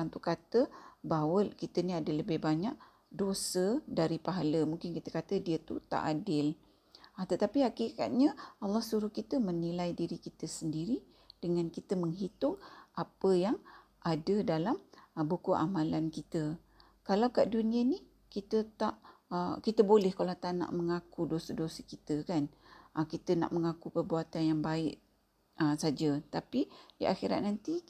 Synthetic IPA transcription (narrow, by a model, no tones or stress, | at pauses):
ant̪ukat̪əbawəlkit̪əniadələbɪhbaɲak̚ | dosədaɾipaɦaləmuŋkɪnkit̪əkat̪ədiət̪ut̪a̰ʔadɪl | t̪ət̪apiɦakika̰t̪̚ɲaɑlːɑhsuɾʊhkit̪əmənilajdiɾikit̪əsəndiɾi | d̥əŋankit̪əməŋɦit̪ʊŋʔapəjaŋ | ʔadədalambukuʔamãlankit̪ə | kalawkaʔdunĩəni | kit̪ət̪aʔəkit̪əbolɛhkalat̪ana̰ʔmə̃ŋakudosədosəkit̪əkanəkit̪əna̰ʔməŋakupərbuat̪anjaŋbaɪʔ | əsad͡ʒət̪apidia̰xiɾa̰t̪̚nant̪i